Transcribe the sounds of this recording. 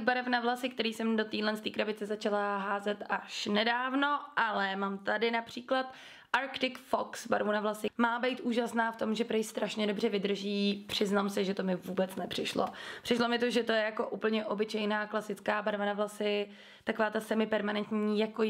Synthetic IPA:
baɾɛfnavlasɪk̚t̪ɛɾiːsɛmdot̪iːlɛnst̪iːkɾabɪt͡sɛzat͡ʃalaɦaːzɛt̪aʃnɛdaːvno̞ʔalɛmaːmt̪adɪnapr̥iːklat̪ | ʔaɾkt̪ɪkfoksba̰ɾvunavlasɪmaːbɛjt̪ʔuːʒasnaːft̪o̞mʒɛpɾɛjst̪ɾaʃɲɛdobr̝ɛvɪd̪r̩ʒiːpr̝̥ɪznamsɛʒɛt̪o̞mɪvuːbɛt͡snɛpr̝̥ɪʃlo̰pr̥ɪʃlo̞mɪt̪oʒɛt̪o̞jɛjako̞ʔuːpl̩ɲɛʔo̞bɪt͡ʃɛjnaːklasɪt͡skaːbaɾvanavlasɪ | t̪ako̞vaːt̪asɛmɪpɛɾmanɛnt̪ɲiːjako

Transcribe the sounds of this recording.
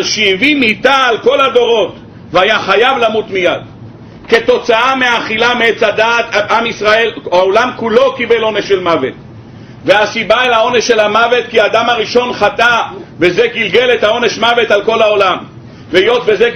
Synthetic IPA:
aʃeivimit̪aːlko̞lad̪o̞ʁo̞t̪ | veajaχajavlamut̪mijad̪ | ke̞t̪o̞t͡saameaχilameet͡sad̪aːt̪aamisʁae̞laolamkulo̞kibelo̞neʃːelmavet̪ | veasibaelao̞neʃe̞lamave̞t̪̚kiaːd̪amaʁiʃo̞nχat̪abezeɡilɡe̞let̪hao̞neʃmave̞t̪alko̞lao̞lam | veijo̞t̪beze

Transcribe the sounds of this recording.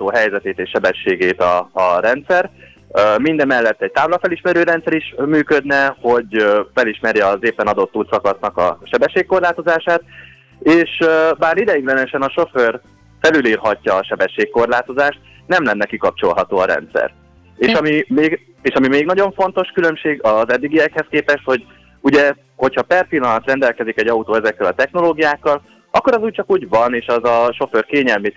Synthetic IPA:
t̪oːɦɛjzɛt̪eːt̪eːʃːɛbɛʃːeːɡeːt̪ɒːɾɛnt̪sɛr | mind̪ɛmːɛlːɛt̪ːɛc̚t̪aːblɒfɛliʃmɛɾøːɾɛnt̪sɛɾiʃmyːkød̪nɛho̞ɟfɛliʃmɛɾjɛːzeːpːɛnɒd̪o̞t̪ːuːlt̪sɒkɒsnɒkɒ̰ʃɛbɛʃːeːkko̞rlaːt̪o̞zaːʃaːt̪̚ | eːʃbaːɾid̪ɛjiɡlɛnɛʃɛnɒʃo̞før | fɛlylirɦɒcːɒːʃɛbɛʃːeːkːo̞rlaːt̪o̞zaːʃt̪̚ | nɛmlɛnːɛkikɒp̚t͡ʃo̞̰lɦɒt̪oːɒɾɛ̰nt̪sɛ̰r | eːʃɒmimeːɡ | eːʃɒmimeːɡnɒɟo̞ɱfo̞n̪t̪o̞ʃkylø̞mʃeːɡɒzɛd̪ːiɡiɛkhɛskeːpɛʃt̪ho̞ɟ | uɟɛ | ho̞cʰhɒpɛrpilːɒnɒt̪rɛnd̪ɛlkɛzikɛɟɒut̪oːɛzɛkːɛlɒt̪ɛxno̞loːɡijaːkːɒl | ʔɒkːo̞ɾɛzuːc̚t͡ʃɒkuːɟvɒneːʃɒzɒʃo̞førkeːɲɛlmi

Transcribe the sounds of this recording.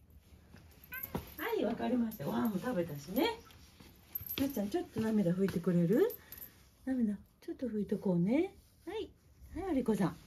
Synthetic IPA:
haiβakaɾʲimaɕi̥t̪aamot̪abe̞t̪aɕine̞ | mat͡ɕãɲ̟t͡ɕo̞t̪ːo̞name̞d̪aɸɯ̟it̪e̞kɯ̟ɾe̞ɾɯ̟ | name̞d̪at͡ɕo̞t̪ːo̞ɸɯ̟it̪e̞ko̞ːne̞ | hai | haiaɾʲiko̞sãŋ

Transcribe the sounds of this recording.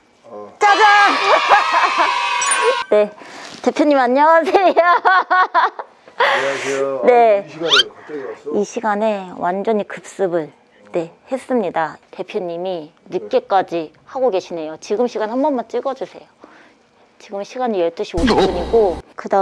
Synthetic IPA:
t͡ɕ͈ad͡ʑa | ne̞te̞pʰjoɲimiaɲːawasʰe̞jja | ne̞ | iɕʰiɡane̞wʔand͡ʑʌɲikɯp̚s͈ɯbɯɭ | ne̞he̞s͈ɯmɲidate̞pʰjoɲːiminɯk͈e̞k͈ad͡ʑi | haɡoɡe̞ɕʰine̞jot͡ɕiɡɯmɕʰiɡanhambʌnmant͡ɕ͈iɡʌd͡ʑusʰe̞̰jo | t͡ɕiɡɯmɕʰiɡaɲijʌɭt͈ɯɕʰioɕippuɲiɡokɯda

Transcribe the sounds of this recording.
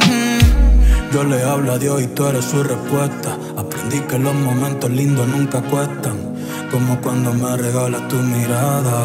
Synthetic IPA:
ʒoleaβlaðeojt̪oɾesurehpwest̪a | apɾẽnd̪ikeloɦmõmẽnt̪oɦlind̪onũŋkakweht̪aŋ | komokwand̪omareɣalat̪umiɾaða

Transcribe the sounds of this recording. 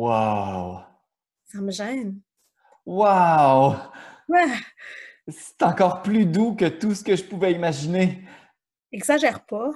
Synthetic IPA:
waw | saməʒɛːn | wawwɛ | sɛ̥t̪ɑ̃kɔːʁplyd̪ukʲət̪usə̥kəʒəpuvɛimaʒine | ɛɡzaʒɛʁpa

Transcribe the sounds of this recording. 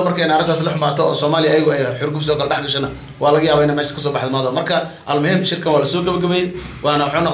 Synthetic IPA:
mɐrkʰɛjnaːɾɐd̪aːslɐħʊmaːt̪ʰɔɔ̰ːsɔːmaːlɪjɐːjɪɣʊɛjħʊɾɡʊfsɪɔːkɐlɖɛħɡɐʃɛnɐ | wɑːlɐɣɐjaːβɐɪnɛmɛːʃskʰɐs̬ɔːbɑħðɐmaːðɔmɐrkʰɐʔɐlmʊɦiːmʃɪrkʰɐnwaːlɐsɔːɡɐβɐɡɐβɛjɛwʔɑːnɐwħanɔq

